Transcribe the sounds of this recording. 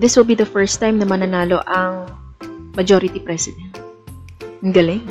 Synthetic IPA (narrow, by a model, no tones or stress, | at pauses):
d̪ɪswɪlˠbid̪ɐfɛɹst̪ːajmnɐmɐnɐnaːloʔɐŋ | mɐd͡ʒoːɾɪt̪ipɾɛsɪd̪ɛnt̪̚ | ŋɡɐlɪ